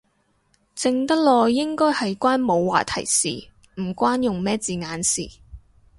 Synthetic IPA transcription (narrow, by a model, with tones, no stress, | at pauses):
t͡sɪ˧ŋt̪ɐ˥k̚lɔː˧jɪ˥ŋkɔː˥jhɐ˨jkʷaː˥nmo˨˧wːa̰ː˨t̪ʰɐ˨˩jsḭː˨˩ | m̩˨˩kʷaː˥njʊ˨ŋmɛː˥t͡siː˨˩ŋaː˨˥nsḭː˨˩